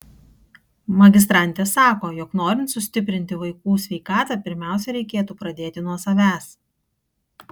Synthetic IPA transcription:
mɐɡʲɪs̬t̪ɾɑˑnʲt̪ʲeːsːɑːkoːjɔknoːɾʲɪnt̪sʊsʲt̪ʲɪp̬ʲɾʲɪnʲt̪ʲɪʋɐɪkuːsʲʋʲɛɪkɑːt̪ɑːpʲɪɾʲmʲæˑʊsʲɛɾʲɛɪkʲeːt̪uːpɾɐd̪ʲeːt̪ʲɪnuɔsɐʋʲæːs

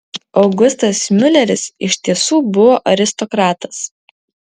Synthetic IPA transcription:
ɒʊɡʊst̪ɐsmʲʊlʲɛɾʲɪsɪʃʲt̪ʲiɛsuːbʊʋoːʔɐɾʲɪst̪ɔkɾɑːt̪ɐ̥s

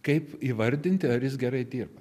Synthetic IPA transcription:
kɐɪpiːʋɐɾʲd̪ʲɪnʲt̪ʲɪɐɾjɪs̬ɡʲɛɾɐɪd̪ʲiːrbɐ

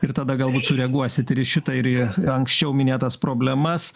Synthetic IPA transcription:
ɪɾt̪ɐd̪ɐɡɐlˠbuːt̪sʊɾʲɛɡuɔsʲɪt̪ɪɾɪʃʲɪt̪ɐɪɾɪɐŋksʲt͡ʃʲɛʊmʲɪnʲeːt̪ɐspɾoːbʲlʲɛmɐs

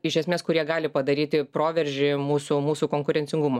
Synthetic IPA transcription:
ɪʃʲɛsʲmʲeːskʊɾʲiɛɡɑːlʲɪpɐd̪ɐɾʲiːt̪ʲɪpɾoːʋʲɛɾʲʒʲɪmuːsʊmuːsukoːŋkʊɾʲɛnʲt͡s̪ʲɪŋɡʊmo

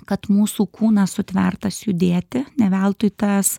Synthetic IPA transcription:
kɐt̪muːsuːkʰuːnɐsʊt̪ʲʋʲɛrt̪ɐsjʊd̪ʲeːt̪ʲɪnʲɛʋʲɛlˠt̪ʊɪt̪ɐs

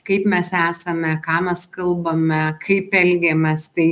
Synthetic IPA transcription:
kɐɪpmʲɛsæːsɐmʲɛkɑːmʲɛskɐlˠbɐmʲɛkʰɐɪpɛlʲɡʲɛmʲɛst̪ɐɪ

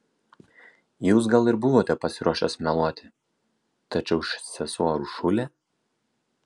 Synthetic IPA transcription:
juːs̬ɡɐlˠɪɾbʊʋoːt̪ʲɛpɐsʲɪɾuɔʃʲɛsmʲɛlˠuɔt̪ʲɪ̥ | t̪ɐt͡ʃʲɛʊɪʃsʲɛsoːɾuʃʊlʲɛ

